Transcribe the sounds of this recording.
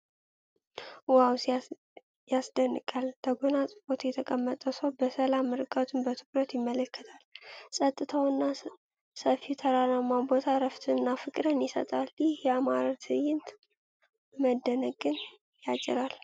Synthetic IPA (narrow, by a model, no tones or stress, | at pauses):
waws | jasd̪ənːɨkʼalt̪ʰəɡonasʼɨfot̪ʰjɛt̪ʰəkʼəmːət̪ʼəsəwbəsəlamːɨɾɨkʼət̪ʰɨnbət̪ʰɨkɾət̪jɪmːələkːə̥t̪ʰalsʼət̪ʼːɨt̪ʰawɨnːa | səfit̪ʰəɾanamːabo̞t̪ʰaɾəft̪ʰɨnːafɨkʼɾənjɪsə̰t̪ʼaljɪhjɛamaɾat̪ʰɨjɪnt̪ | məd̪ːənəɡɨn | jat͡ʃʼɪ̰ɾal